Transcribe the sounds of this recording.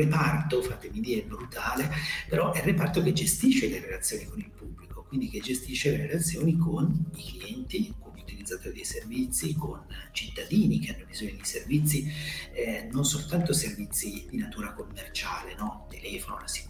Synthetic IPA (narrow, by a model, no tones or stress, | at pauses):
epart̪ofat̪emid̪iːɾɛbɾut̪aːlepeɾɔʔɛrːepart̪ok̟ed͡ʒest̪iʃːelerelat̪sːjoːnikonilpubːlikokwind̪iked͡ʒːest̪iʃːeleɾelat̪sːjoːnikʰonikliɛnt̪iuŋkumiut̪ilid̪zːat̪oːɾed̪ejservit̪sːikont͡ʃit̪ːad̪iːnik̟eanːobizoːɲːod̪ejservit̪sːi | nonsolt̪ant̪oservit̪sːid̪inat̪uːɾakomːert͡ʃaːlenɔt̪elɛːfono̰lasi̥